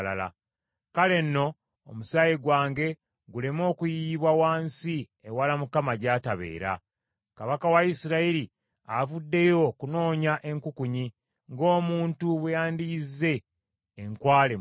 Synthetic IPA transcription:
la̰la̰ | kale̞nːo̞ː | musaːjiɡwaːŋɡe̞ | ɡule̞mo̞ːkujiβwawaːnsi | ewalamukamaɟaːtaβe̞̰ːɾa̰ | kaβakawaisiɾaili | avudːe̞jo̞kuno̞ːɲaʔe̞ŋkukuɲi | ŋɡo̞ːmuːntuβejaːndizːe̞ː | ŋkwaːle

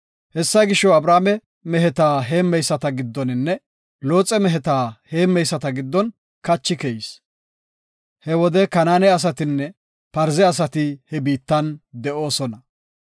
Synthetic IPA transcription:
hɛsːɐɡɪʃːɔɐbɾaːmɛ | mɛɦɛt̪aːɦeːmːɛjsːɐt̪ɐɡɪd̪ːɔnɪnːɛ | lo̞ːt͡sʼɛmɛɦɛt̪aːhe̞ːmːɛjsːɐt̪ɐɡɪd̪ːɔn | kɐt͡ʃːɪkɛjs | hɛwɔd̪ɛkɐnaːnɛɐs̬ɐt̪ɪnːɛ | pɐɾzɛɐs̬ɐt̪ɪhɛbiːt̪ːɐnd̪ɛʔo̞ːsɔnɐ

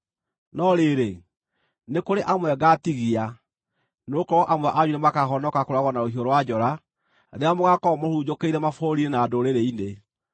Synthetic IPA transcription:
nɔɾeːɾe | nekoɾeʔamwɛɣatiɣia | nokɔɔʔamwɛʔaɲunemakaɦɔnɔkakoɾaɣɔnaohioɾowad͡ʑɔɾa | ðeamoɣakɔmohuːd͡ʑokeiɾɛmafoɾiɾenaːdoɾeɾeine

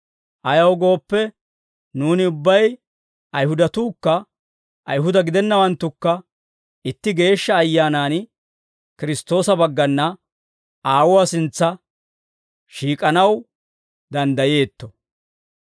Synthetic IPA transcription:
ʔɐjɐwɡo̞ːpːɛ | nuːnɪʊbːɐj | ʔɐjhʊd̪ɐt̪uːkːɐ | ʔɐjɦʊd̪ɐɡɪd̪ɛnːɐwɐnt̪ːʊkːɐ | ɪt̪ːɪɡe̞ːʃːɐːjːaːnaːn | kɪɾɪst̪o̞ːsɐbɐɡːɐnːɐ | aːwʊwasɪnt͡sːɐ | ʃiːkʼɐnɐw | d̪ɐnd̪ɐje̞ːt̪ːɔ

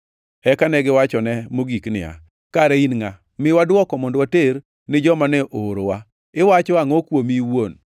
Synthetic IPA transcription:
ɛkanɛɡɪwat͡ʃɔnɛmoɡiknɪ̰a̰ | kaɾeinŋa | mɪwadwɔkɔmondwateɾ | nɪd͡ʒɔmanɛʔoɾowa | ɪwat͡ʃɔaŋɔkwomiwon

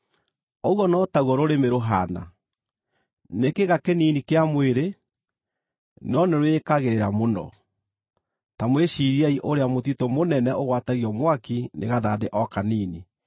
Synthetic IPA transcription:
ɔɣwɔnɔtauɔɾoɾemeɾoɦana̰ | nekeɣakeniːnikeamweɾe | nɔneɾwekaɣeɾeɾamonɔ̰ | tamweʃiɾiɛiʔoɾeamotitomonɛnɛoɣwataɣiɔmwakinʔḛɣaðadeʔɔkaniːni

